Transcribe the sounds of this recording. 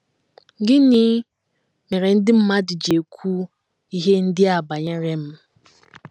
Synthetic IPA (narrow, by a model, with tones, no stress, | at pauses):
ɡɪ˦niː˦ | me˨ɾe˨n̩˦dɪ˦m̩˦ma˦dɪ˨d͡ʒe˨kʷʰu˦ | i˦ɦe˦n̩˦dɪ˦a˨ba˨ɲe˦ɾe˦m̩˦